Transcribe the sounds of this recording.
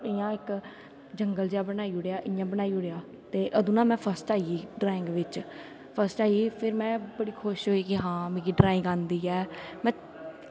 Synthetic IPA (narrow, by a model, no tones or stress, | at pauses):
ɪjãːɪk | d͡ʒəŋɡəld͡ʒeaːbənaːiːʊɽeaːʔɪ̃jãːbənaːiːʊɽeːaː | t̪eːʔəd̪uːnãːmɛ̃ːpʰəɾsʈaːiːɖɾaːɪ̃ŋɡʋɪt͡ʃ | pʰəɾsʈaːiːpʰɪɾmɛ̃ːbəɽiːkʰʊʃɦoiːkɪɦãːmɛ̃ːkiːɖɾaːɪ̃ŋɡãːnd̪iːɛːmɛ̃ː